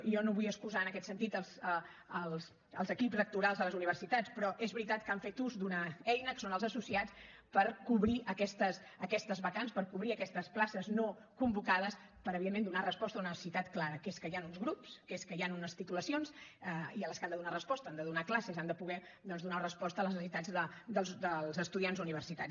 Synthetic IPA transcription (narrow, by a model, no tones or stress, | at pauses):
jɔnoβujəskuzaənəkɛt̪sənt̪it̪əlˠzə | əlˠs | əlˠzəkipzlək̚t̪uɾalˠzðələzuniβ̞ərsit̪at͡spɾɔʔezβɾit̪at̪kaɱfet̪uzd̪unəɛjnəkə̥sonəlˠzəsusiat͡s | pəɾkuβɾiʔəkɛst̪əs | əkɛst̪əzβəkanspəɾkuβɾiəkɛst̪əsplasəzno | kumbukaðəspəɾəβiðemːend̪unarəspɔst̪əluniβsit̪at̪klaɾəkeskəjanunzɣɾupskeskəjanunəst̪it̪uləsionsəiələskand̪əðunarəspɔst̪əand̪əðunaklasəzand̪əpuɣɛ | ðɔnzðunarəspɔst̪ələsəsit̪ad͡zðəd̪əlˠzd̪əlˠzəst̪uðianzuniβərsit̪a